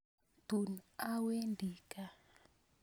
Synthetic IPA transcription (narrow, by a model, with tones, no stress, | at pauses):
tu˨na˦we˦ndʱiː˨kʼa˦